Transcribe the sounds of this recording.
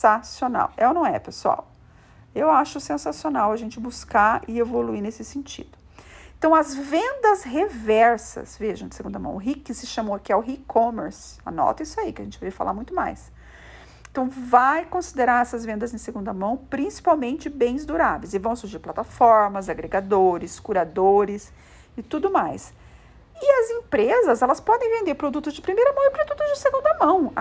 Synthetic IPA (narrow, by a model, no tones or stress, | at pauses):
sasiona̰wɛʊnɐ̃w̃ɛ̰pesua̰w | ewaʃʊsẽsasionawɐʒẽnt͡ʃɪbuskaɪevoluinesɪsẽnt͡ʃḭd̪ʊ | ẽt̪ɐ̃w̃ɐzvẽnd̪ɐzɦevɛɾsɐ̰sveʒɐ̃w̃d͡ʒɪseɡũnd̪ɐmɐ̰̃w̃ʊɦikɪsɪʃɐ̃moɐkiɛʊɦikʰõmeɾs | ɐ̰nɔ̰t̪ɐisʊaikɪɐʒẽnt͡ʃɪvefa̰la̰ɾmũj̃t̪ʊma̰js | t̪ɐ̃w̃vajkõsid̪eɾaɾɛsɐzvẽnd̪ɐzẽj̃seɡũnd̪ɐmɐ̃w̃pɾĩsi̥pawmẽnt͡ʃɪbẽj̃zd̪uɾavejzɪvɐ̃w̃suɾʒiɾplat̪afɔɾmɐzaɡɾeɡad̪oɾɪskuɾad̪oɾɪs | ɪt̪ud̪ʊmajs | ɪɐzẽpɾezɐzɛlɐspɔd̪ẽj̃vẽnd̪eɾpɾod̪ut̪ʊzd͡ʒɪpɾimejɾɐmɐ̃w̃ɪpɾod̪ut̪ʊzd͡ʒɪseɡũnd̪ɐmɐ̃w̃